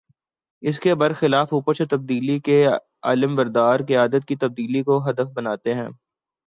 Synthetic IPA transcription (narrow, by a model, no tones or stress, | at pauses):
ɪskebɐɾxɪlaːfuːpət͡ʃʰet̪ɐb̚d̪iːlike | a̰ːləmbɐɾd̪aːɾkeaːd̪ət̪̚kit̪ɐb̚d̪iːlikoɦɐd̪əfbɐnaːt̪eɦɛ̃ː